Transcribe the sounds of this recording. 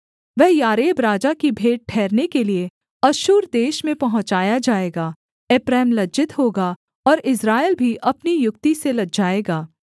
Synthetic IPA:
ʋɛɦjaːɾeːbɾaːd͡ʒakibʱeːɖ̚ʈʰɛːɾnekelie | ɐʃuːɾd̪eːʃmẽpɐɦʊ̃t͡ʃaːjad͡ʒaːeːɡaː | eːpɾɛːmlɐd͡ʒɪt̪ɦoːɡa | ɔːɾɪsɾaːelbʱiʔɐpnijʊkt̪iselɐɡ̚d͡ʒaːeːɡaː

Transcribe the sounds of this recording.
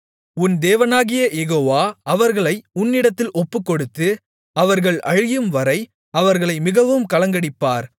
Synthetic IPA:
ʊnd̪eːʋɐnaːɣɪjɐjɛɣoːʋaːɐʋɐɾɣɐɭɐɪʊnːɪɽɐt̪ːɪlʔɔpːɯkːɔɽɯt̪ːɯ | ɐʋɐɾɣɐɭʔɐ̰ɻɪjɯmʋɐɾɐɪ | ɐʋɐɾɣɐɭɐɪmɪɣɐʋɯmkɐlɐŋɡɐɽɪpːaːɾ

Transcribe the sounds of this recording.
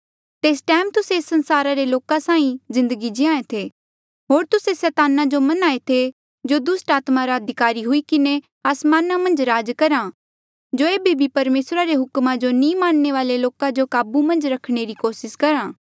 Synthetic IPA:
t̪eːsʈɛːmt̪ʊseːsːɐ̃nsaːɾaɾeloːkãsãːĩzɪ̃nd̪əɡid͡ʒɪãːẽt̪ʰe | ɦoːɾt̪ʊsesɛːt̪aːnad͡ʒomɐnaːet̪ʰe | d͡ʒod̪ʊsʈaːt̪maɾaɐd̪ʱɪkaːɾiɦʊikɪne | aːsmaːnamɐ̃nd͡ʒɾaːd͡ʒkɐɾa | d͡ʒoeːbebʱipɐɾmeːsɾaɾeɦʊkmãd͡ʒonĩːmaːnneʋaːleloːkãd͡ʒokaːbumɐ̃nd͡ʒɾɐkʰɽ̃eɾikoːsɪskɐɾaː

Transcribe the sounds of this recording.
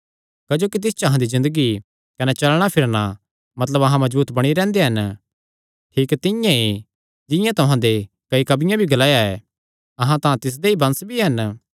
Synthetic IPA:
kɐd͡ʒoːkit̪ɪst͡ʃɐɦãd̪izɪ̃nd̪əɡi | kɐnɛt͡ʃɐlɽ̃apʰɪɾna | mɐt̪ləbɐɦãmɐzbuːt̪bɐɽ̃iɾɛ̃ːnd̪eɦɐn | ʈʰiːkt̪ɪ̃jãi | d͡ʒɪ̃jãt̪ʊɦãd̪e | kɐikɐbɪjãbʱiɡɐlaːjaɛ | ɐɦãt̪ããt̪ɪs̬d̪eibɐ̃nsbʱiɦɐn

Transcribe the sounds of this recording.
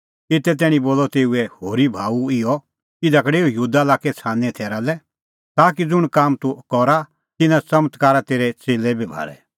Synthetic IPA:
ɪt̪ɛt̪ɛːɽ̃ĩboːlɔt̪eːuɛhoːɾibʱaːuɪɔ | kid̪ɐkɽeːujuːd̪alaːkɛt͡sʰaːnɛ̃t̪ʰɛːɾalɛ | t̪aːkid͡zʊɽ̃kaːmt̪ukɔɾa | t̪ɪnãt͡sɐmət̪kaːɾat̪eːɾɛt͡seːlɛbʱibʱa̰ːɾɛ̰

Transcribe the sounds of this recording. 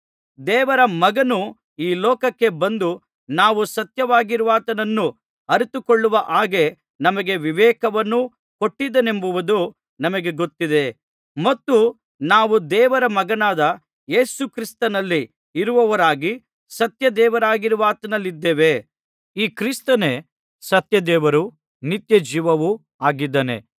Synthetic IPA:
d̪ɛːʋɐɾɐmɐɡɐnu | iːlɔːkɐkːe̞bɐnd̪u | naːʋusɐt̪jɐʋaːɡiɾuʋaːt̪ɐnɐnːu | ɐɾit̪ukoɭːuʋɐʔaːɡe̞ | nɐmɐɡe̞ʋiʋɛːkɐʋɐnːu | ko̞ʈːid̪ɐne̞mbuʋɐd̪u | nɐmɐɡe̞ɡo̞t̪ːid̪e̞ | mɐt̪ːu | naːʋud̪ɛːʋɐɾɐmɐɡɐnaːd̪ɐ | je̞ːsukɾist̪ɐnɐlːiː | ɾuʋɐʋɐɾaːɡi | sɐt̪jɐd̪ɛːʋɐɾaːɡiɾuʋaːt̪ɐnɐlːid̪ːeːʋe̞ | iːkɾist̪ɐne̞ | sɐt̪jɐd̪ɛːʋɐɾu | nit̪jɐd͡ʒiːʋɐʋu | aːɡid̪ːɐnḛ

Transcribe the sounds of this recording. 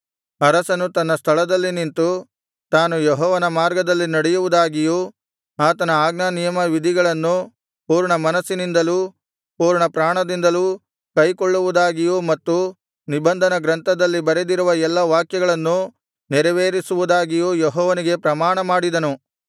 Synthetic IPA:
ɐɾɐsɐnut̪ɐnːɐst̪ʰɐɭɐd̪ɐlːinint̪u | t̪aːnujɔɦɔːʋɐnɐmaːɾɡɐd̪ɐlːinɐɽɛjuʋud̪aːɡiju | aːt̪ɐnɐaːɡnanijɐmɐʋid̪ʱiɡɐɭɐnːu | puːɾɳɐmɐnɐsːinind̪ɐlu | puːɾɳɐpɾaːɳɐd̪ind̪ɐlu | kɐjkoɭːuʋud̪aːɡijumɐt̪ːu | nibɐnd̪ʱɐnɐɡɾɐnt̪ɐd̪ɐlːibɐɾed̪iɾuʋɐɛlːɐʋaːkjɐɡɐɭɐnːu | nɛɾɐʋeːɾisuʋud̪aːɡijujɔɦɔːʋɐniɡe̞pɾɐmaːɳɐmaːɽid̪ɐnu

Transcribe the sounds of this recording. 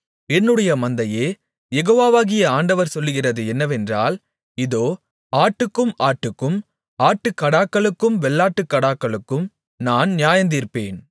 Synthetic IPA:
ɛnːɯɽɐjɐmɐnd̪ɐjeː | jɛɣoːʋaːʋaːɣɪjɐaːɳɖɐʋɐɾsɔlːɯɣɪrɐðɯɛnːɐʋɛndraːl | ɪðoː | aːʈːɯkːɯmaːʈːɯkːɯm | aːʈːɯkːɐɽaːkːɐɭɯkːɯmʋɛɭːaːʈːɯkːɐɽaːkːɐɭɯkːɯm | naːnnɪjaːjɐnd̪iːɾpːeːn

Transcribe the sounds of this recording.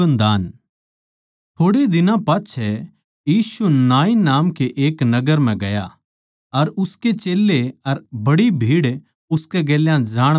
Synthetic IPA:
ənd̪aːn | t̪ʰoːɽid̪ɪnãpaːt͡ʃʰɛ | jiːsunaːinaːmkeʔeːknɐɡəɾm̤ɛ̃ɡɐja | ɐɾʊsket͡ʃeːlːeɐɾbɐɽibʱiːɽ | ʊskɛɡeːljãd͡ʒaːɽ̃

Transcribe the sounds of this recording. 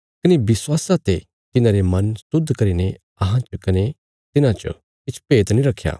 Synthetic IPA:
kɐnibɪswaːsãt̪e | t̪ɪnãɾemɐnsʊd̪ʱːkɐɾiːne | ɐɦãt͡ʃkɐne | t̪ɪnãt͡ʃə̰ | kɪt͡ʃʰpeːt̪nĩɾɐkʰːja̰ː

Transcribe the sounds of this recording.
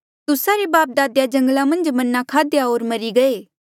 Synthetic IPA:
t̪ʊsaɾebaːp̚d̪aːd̪jad͡ʒɐ̃ŋɡlamɐ̃nd͡ʒmɐnːakʰaːd̪jaoːɾmɐɾiɡɐeː

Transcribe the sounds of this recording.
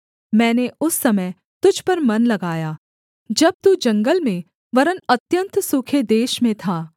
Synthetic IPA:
mɛ̃ːneʊsːɐməj | t̪ʊd͡ʒʱpɐɾmɐnlɐɡaːjaː | d͡ʒɐb̚t̪uːd͡ʒɐ̃ŋɡəlmẽ | ʋɐɾənɐt̪jə̃nt̪sʊkʰed̪eːʃmẽt̪ʰaː

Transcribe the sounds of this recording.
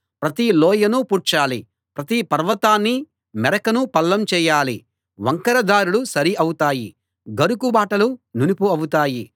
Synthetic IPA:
pɾɐt̪ilɔːjɐnupuːɾʈt͡ʃaːli | pɾɐt̪ipɐɾʋɐt̪aːnːi | mɛɾɐkɐnupɐlːɐmt͡ʃɛːjaːlḭ | ʋɐŋkɐɾɐd̪aːɾuɽusɐɾiʔɐwut̪aːjḭ | ɡɐɾukubaːʈɐlununipuɐwut̪aːji

